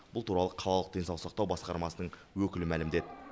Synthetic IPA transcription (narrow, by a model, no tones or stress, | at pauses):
bʊlˠt̪ʰuɾɑlˠəqʰɑlˠɑlˠəq̚d̪ʲe̞nsɑwˠsɑq̚t̪ɑwbɑsqɑɾmɑsənəɴwɵkʲɪlɪmælɪmd̪e̞d̪ɪ